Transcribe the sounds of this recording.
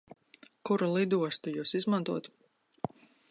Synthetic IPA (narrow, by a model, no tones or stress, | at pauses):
kuɾulˠid̪uɔst̪ujuːsizmant̪uɔt̪